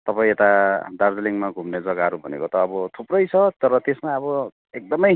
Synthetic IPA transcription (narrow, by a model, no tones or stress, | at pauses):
t̪ʌpaĩet̪ad̪ard͡zliŋmaɡʱumned͡zʌɡaɦʌɾubʱʌnḛkot̪ʌːbʌt̪ʰuprʌjt͡sʰʌt̪ʌɾʌt̪esmaʌbʌ | ek̚d̪ʌmʌj